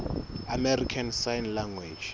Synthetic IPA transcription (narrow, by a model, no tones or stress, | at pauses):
amɛrikʰansajnlaŋɡwe̥d͡ʒ